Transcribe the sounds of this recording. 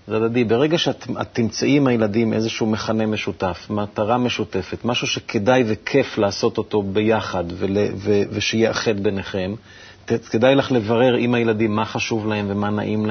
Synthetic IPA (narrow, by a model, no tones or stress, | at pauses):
zad̪adibe̞ʁe̞ɡaʃeata̰t̪ːimt͡saʔimajeladimʔezeʃuume̞χane̞me̞ʃutafmat̪aʁame̞ʃute̞fe̞t̪maʃuʃekʰedajvekʰe̞flaːso̞to̞t̪o̞be̞jaχad̪veleveveʃejeaχet̪beneχe̞m | ekedajlaχle̞vaʁe̞ʁimhajeladimːaχaʃuvlahe̞mve̞mana̰ʔiml